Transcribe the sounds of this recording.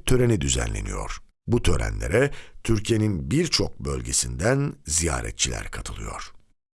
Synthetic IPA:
t̪ʰø̞ɾenid̪yzæ̰nlːʲenḭjo̞̰ɾ̥ | but̪ʰø̞ɾæ̰nlʲe̞ɾɛt̪ʰyɾcʰije̞ninbiɾt͡ʃʰo̞k̚bø̞lʲɟe̞sind̪ænzijaːɾɛ̰t̪̚t͡ʃʰilʲæ̰ɾkʰat̪ʰɯlˠɯ̰joɾ̥

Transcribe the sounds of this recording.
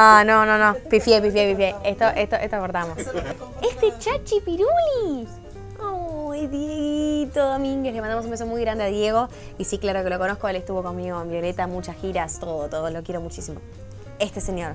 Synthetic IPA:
anononopifjepifjepifjeeht̪o̞ʔeht̪oʔeht̪oakoɾðamo̞s | est̪et͡ʃat͡ʃipiɾuli | ojðjeɣit̪oðomiŋɡelemand̪aos̬ũmbesomujɣɾand̪eaðje̞ɣ̞o̞ | isiklaɾokeloko̞no̞hkoelest̪uβo̞konmiɣoembjo̞le̞t̪amut͡ʃasxiɾast̪oðot̪oðolo̞kje̞ɾomut͡ʃisimo | est̪eseɲjo̞ɾ

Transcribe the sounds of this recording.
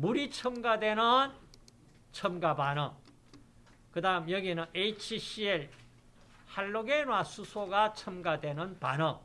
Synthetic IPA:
muɾit͡ɕʰʌmɡadwe̞nɯn | t͡ɕʰʌmɡabanʌ | kɯdaɦɯmjʌɡinɯneit͡ɕʰiɕieɭ | haɭːoɡenwasʰusʰoɡat͡ɕʰʌmɡadwe̞nɯnpa̰nʌ

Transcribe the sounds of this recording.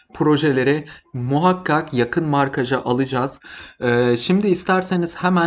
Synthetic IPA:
pʰɾo̞ʒelʲe̞ɾɛmuɦakʰːakjakʰɯnmaɾkʰad͡ʒaʔalˠɯd͡ʒaːz̥ː | ʃimd̪iːst̪ʰæɾseniz̥hemæ

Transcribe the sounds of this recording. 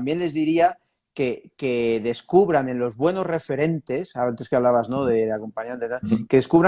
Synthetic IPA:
mbjenle̞zðiɾia | ke̞ke̞ðe̞skuβ̞ɾane̞nlo̞zβwe̞no̞zre̞fe̞ɾe̞nt̪e̞saant̪e̞skeaβlaβazno̞ðe̞ako̞mpaɲãnt̪et̪ake̞ðe̞skuβɾa

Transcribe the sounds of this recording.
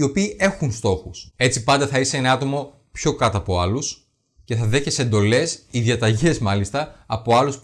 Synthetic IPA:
io̞piːe̞xunst̪o̞xuse̞t͡sipɐnd̪ɐθɐiseenɐɐt̪o̞mo̞ | pço̞kɐt̪oɐpo̞ɐlus | ce̞θɐðe̞çese̞nd̪o̞le̞siðjɐt̪ɐʝe̞zmɐlist̪ɐːpo̞ɐlus

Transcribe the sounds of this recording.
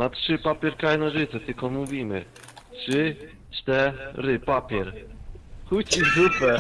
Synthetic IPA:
natʂɨpapʲjɛɾkɾajnaʐɘt̪sɛt̪ɘlkɔmuvʲimɘ̰ | tʂɘ | t͡ʂt̪ɛɾɪpapʲjɛɾ | xut͡ɕizupɛ

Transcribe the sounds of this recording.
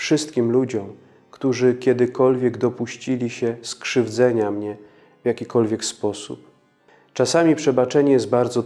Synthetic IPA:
fʂɘst̪̚kʲimlud͡ʑɔ̃m | kt̪uʐɘkʲjɛd̪ɘkɔlvʲjɛɡd̪ɔpuɕt͡ɕilʲiɕɛskʂɘvd̪zɛɲamɲɛ | vjakʲikɔlvʲjɛkspɔsṵp̚ | t͡ʂasamʲipʂɛbat͡ʂɛɲɛjɛst̪̚baɾd̪zɔ

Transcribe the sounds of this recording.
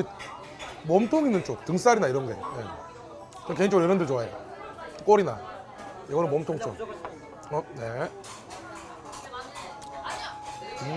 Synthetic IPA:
i | mʌmtʰoŋinːɯnt͡ɕ͈ok̚tɯŋs͈aɾinaiɾʌndḛjḛ | t͡ɕʌnke̞iŋt͡ɕ͈ʌɡɯɭjʌɾʌndɯɭt͡ɕoajok͈oɾina | jʌɡʌnɯnmomtʰoŋt͡ɕʰo̰k̚ | ʌne

